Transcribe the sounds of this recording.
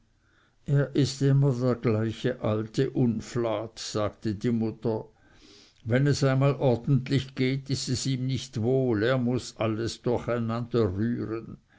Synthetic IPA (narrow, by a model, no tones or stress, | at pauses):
ʔeːɐʔɪstɪmɐdeːɐɡ̥laɪçəʔaltʰəʔʊnflaːtz̥aːɡ̥tədiːmʊtɐ | vɛnɛsaɪnmaːlʔɔɐd̥̪n̩tlɪçɡ̥eːtɪstɛsiːmnɪçtvoːleːɐmʊsʔaləsd̥ʊɐxaɪnand̥ɐʁyːʁən